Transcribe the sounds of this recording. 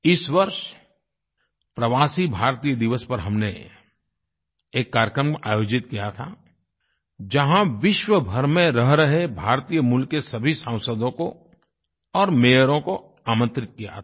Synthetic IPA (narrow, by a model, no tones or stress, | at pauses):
ɪsʋɐɾʃ | pɾɐʋaːsibʱaːɾt̪ijəd̪ɪʋəspɐɾɦɐmnḛ | eːkːaːɾjəkɾəmʔa̰ːjoːd͡ʒɪt̪kijat̪ʰa̰ | d͡ʒɐɦãʋɪʃwəbʱɐɾmẽɾɐɦɾəɦebʱaːɾt̪iːjəmʊlkːesɐbʱisə̃ʊ̃səd̪õko | ɔːɾmeːjəɾõko | aːmə̃nt̪ɾɪt̪̚kija̰